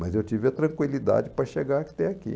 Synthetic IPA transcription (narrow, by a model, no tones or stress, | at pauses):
mɐzewt͡ʃivɪɐt̪ɾɐ̃ŋkwilid̪a̰d͡ʒɪpɾɐʃeɡakt̪ɛakḭ